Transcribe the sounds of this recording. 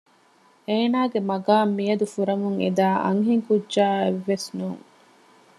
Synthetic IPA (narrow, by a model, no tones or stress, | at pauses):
eːnaːɡemɐɡaːmːijɐd̪ufuɾɐmuŋed̪aːʔɐ̰ŋɦiŋkudʒaːeʋːesnuːŋ